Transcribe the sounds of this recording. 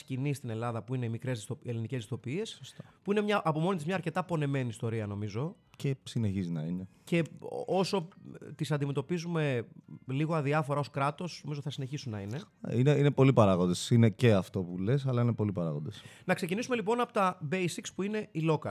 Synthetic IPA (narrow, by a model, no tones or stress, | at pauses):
scinist̪ine̞lɐðɐpuine̞imikɾe̞zðist̪oelinice̞zðist̪o̞piie̞ssost̪ɐpuinemɲɐʔɐpo̞mo̞nit̪izmɲɐːɾce̞t̪ɐpo̞ne̞me̞niːst̪o̞ɾiɐno̞mizo̞ | cesine̞çizinɐinece̞o̞so̞t̪isɐnd̪ime̞t̪o̞pizume̞liɣo̞ɐðiɐfoɾɐo̞skɾɐt̪o̞sno̞mizoθɐsine̞çisunːɐ̰inḛ | ineinepo̞lipɐɾɐɣond̪esineceɐft̪o̞pulesɐlɐinepo̞lipɐɾɐɣond̪esnɐkse̞cinisume̞lipo̞nɐpot̪ɐbejsikspuine̞ilo̞kɐ